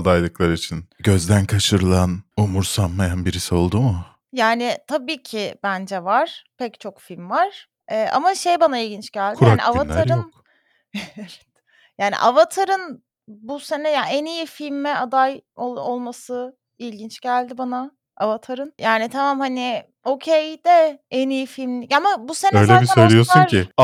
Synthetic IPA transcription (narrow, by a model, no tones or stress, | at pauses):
ad̪ajlˠɯklˠaɾit͡ʃʰinɟø̞zd̪ænkʰaʃɯɾɯlˠanumuɾsanmajanbiɾisio̞lˠd̪umʊ | jaːnɪt̪ʰabiːcʰɪbænd͡ʒɛvaɾ̥pʰɛct͡ʃʰo̞kfilʲmvaɾ̥ | ɛːʔa̰maʃejbanailʲɟint͡ʃɟælʲdkʰaaniʔavaaɾɯk | ɛevɛt̪ | jaːnḭʔavat̪ʰaɾɯn | buse̞nɛjaɛnijifilʲmːɛad̪ajoolˠmasɯ | ilʲɟint͡ʃɟælʲd̪ibana | avat̪ʰaɾɯnjaːnit̪ʰamamhanɪ | o̞cʰejd̪̥ɛɛnijifilʲmlʲicamabusenɛøjlʲebisaølʲijosuɾʰɪ